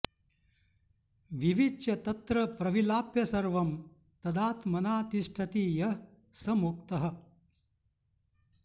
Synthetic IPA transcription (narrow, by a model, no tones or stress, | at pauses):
ʋiʋiɐt̪ɐt̪ɾɐpɾɐʋilaːpjɐsɐɾʋɐm | t̪ɐd̪aːt̪mɐnaːt̪iʂʈʰɐt̪iːjɐ | sɐmuk̚t̪ɐɦɐ̆